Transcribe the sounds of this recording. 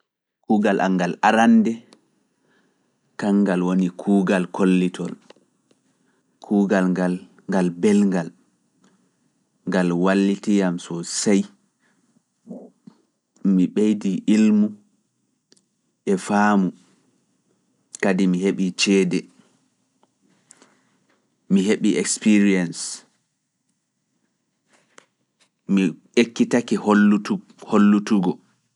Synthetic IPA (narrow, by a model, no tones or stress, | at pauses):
kuːɡalʔa̰ŋɡalʔaɾandɛ | kaŋɡalwonikʰuːɡalkʰolːitʰɔl | kʰuːɡalɡal | ŋɡalbɛlŋɡal | ŋɡalwalːitijamsɔsaj | miɓejdiʔilmu | ʔɛfaːmu | kadimiheɓit͡ʃɛːdɛ | miɦeɓiʔɛkspiɾiɛns | mi | ekːitakiho | holːutuɡɔ